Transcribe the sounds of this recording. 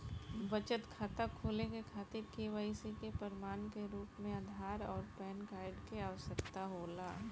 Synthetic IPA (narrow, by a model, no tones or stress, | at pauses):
bət͡ʃət̪kʰaːt̪akʰoːlekekʰaːt̪ɪɾkeːʋaːisekepəɾɪmaːnkeɾuːpmẽad̪ʱaːɾɔːɾpɛːnkaːɪɖkeaːʋəsəkt̪aɦoːlaː